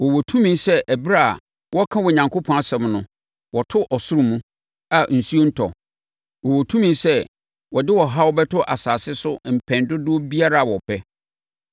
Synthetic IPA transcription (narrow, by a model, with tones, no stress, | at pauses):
wɔ˨wo˨tʰũ˦mĩ˨nsɛ˦ʔæ˨bi˦ɾa˦a̰˨ | wɔ˦kʰã˦wɔ˨ɲã˨ŋkʰo˦pʰɔ̃˨na˨sɛ̃˨mnʊ̃˦ | wɔ˨tʰʊ˦ʔɔ˨sʊ˦ɾu˨mũ˦ | a˨n̩˨su˦o˦n̩˦tʰɔ̰˨ | wɔ˨wo˨tʰũ˦mĩ˨nsɛ˦ | wɔ˨dɪ˦wɔ˨ɦa˦wɔ˦bɛ˦tʰʊ˦ʔa˨saː˨sɪ˦sʊ˦m̩˨pʰɛ̃˨ndʊ˦dʊ˦ɔ˦bi˦a˦ɾa˨wɔ˨pʰɛ˦